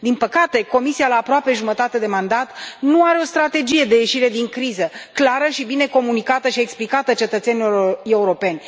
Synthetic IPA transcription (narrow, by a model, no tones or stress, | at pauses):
d̪inpəkat̪e̞ko̞misialaːpɾoape̞ʒumət̪at̪e̞d̪e̞mand̪at̪nuaɾe̞o̞st̪ɾat̪e̞d͡ʒije̞d̪e̞je̞ʃiɾe̞d̪iŋkɾizəklaɾəʃibine̞ko̞munikat̪əʃie̞ksplikat̪ət͡ʃe̞t̪ət̪se̞niloɾe̞uɾo̞pe̞nʲ